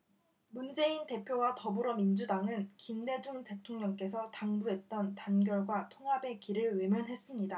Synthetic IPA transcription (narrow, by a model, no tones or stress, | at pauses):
mund͡ʑe̞inte̞pʰjowatʌbɯɾʌmind͡ʑudaŋɯnkimne̞d͡ʑuŋte̞tʰoŋɲʌŋk͈e̞sʰʌtaŋbuɦe̞t̚t͈ʌntanɡjʌɭɡwatʰoŋɦabe̞kiɾɯɭwe̞mjʌnɦe̞s͈ɯmɲida